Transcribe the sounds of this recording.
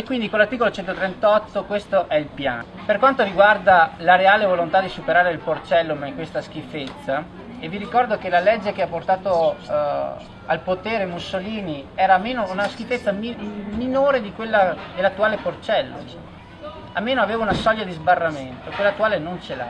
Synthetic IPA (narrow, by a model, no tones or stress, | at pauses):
ekwind̪ikolːart̪ikolot͡ʃɛnt̪ot̪ɾent̪ɔt̪ːokwest̪oʔɛilpja̰ːn | perkwant̪oɾiɡward̪alaɾeaːlevolont̪ad̪isupeɾaːɾeilport͡ʃɛlːomaiŋkwest̪ask̟ifːet̪sːa | evːiɾikɔrd̪ok̟elalɛd͡ʒːekeapːort̪aːt̪o | alpot̪eːɾemusːoliːniɛːɾamːeːnounask̟ifːet̪sːamiminoːɾed̪ikwelːad̪elːat̪ːuaːleport͡ʃɛlːo̰ | amːeːnoaveːvaunasɔʎjːad̪izbarːament̪oekwelːat̪ːuaːlenont͡ʃela̰